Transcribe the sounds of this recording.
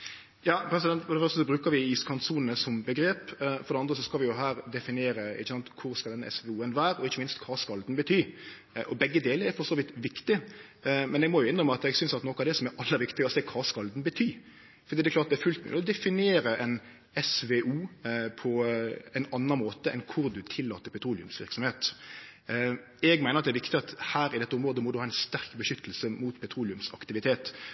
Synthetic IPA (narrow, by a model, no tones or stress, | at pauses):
jɑːpʰɾɛs̬ɪd̪ɛnt̪fɔɾd̪ɛfœɾst̪əs̬ɔbɾʉːkəɾʋɪiːskʰɑnsuːnənəsɔmbəɡɾeːpfɔɾd̪ɛɑnd̪ɾəsɔskɑlʋɪjʊɦæːɾd̪ɛfɪnɪeːɾəɪ̰çːəsɑnt̪kʰʊɾskɑld̪ɛnɛ̰sʋɛuːənʋæːɾɔɪçːəmɪnst̪kʰɑskɑld̪nbət̪ʰyː | ʔɔbɛɡːəd̪eːləɛɾfɔʁsoːʋɪt̪ʋɪkt̪ɪ | mɛnɛɡmɔjʊɪndʁəməɑt̪ɛɡsʏnsɑt̪nɔkɑd̪ɛsɔmæɾɑlːəɾʋɪkt̪ɪɡɔsɛːkʰɑskɑld̪n̩bət̪ʰyː | fɔɾd̪iːd̪ɛklɑːt̪d̪æɾfʉlt̪mɛ̰ɔd̪ɛfɪnɪeːɾəʔɛn | ɛsʋeʔuːpʰɔɛnɑnːɑnmoːt̪əʔɛ̰nkʰʊɾd̪ʉt̪ʰɪlːɑ̰ːt̪əɾpʰɛt̪ʰɾuːlɪʉ̰msʋɪɾksɔmheːt̪ | ɛɡmæɪnəɑt̪d̪ɛæɾʋɪkt̪ɪɑt̪hæːɾɪd̪ɛt̪ːəʊmɾoːd̪əmɔd̪ʉhɑːɛnst̪æɾkbəʃʏt̪ːəlsəmuːt̪pʰɛt̪ʰɾuːlɪʉmsɑ̰kt̪ɪʋɪt̪ʰeːt̪